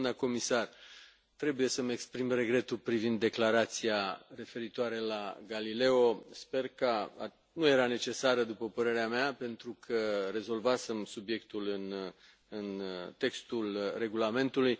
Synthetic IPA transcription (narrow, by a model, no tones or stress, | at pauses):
nəko̞misar | t̪ɾe̞buje̞səmekspɾimre̞ɡɾe̞t̪ulpɾivind̪ːe̞klaɾat̪siare̞fe̞ɾit̪oaɾe̞laɡalile̞o̞spe̞rkəa̰ | nuje̞ɾane̞t͡ʃe̞saɾəd̪upəpəɾe̞ɾeameape̞nt̪ɾukʰəre̞zo̞lvasemsubje̞kt̪ulɨn | ɨnt̪e̞kst̪ulre̞ɡulame̞nt̪uluj